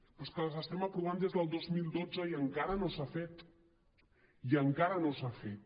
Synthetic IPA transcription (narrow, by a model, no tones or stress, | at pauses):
poskələzəst̪emapɾuβand̪ezðəlˠd̪ozmilˠd̪od͡zəiəŋkaɾənosafet̪ | iəŋkaɾənosafet̪̚